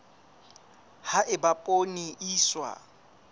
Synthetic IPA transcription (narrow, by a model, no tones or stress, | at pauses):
haʔɪbapʼoniʔiːswa̰